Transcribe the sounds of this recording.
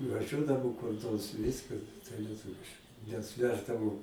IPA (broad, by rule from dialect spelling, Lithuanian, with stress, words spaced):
nʊʋɐˈʒʲuɔdɐʋoː kʊr ˈnoːrs ˈʋʲɪskɐ tɐɪ lʲiɛˈtʊʋʲɪʃ nʲɛs ˈʋʲæːʒdɐʋoː